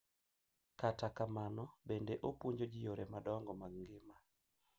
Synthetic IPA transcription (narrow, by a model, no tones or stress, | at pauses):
katakamanɔbendeʔopwuɲd͡ʒod͡ʒɪjoɾɛmadɔŋɡɔmaɡŋɡɪma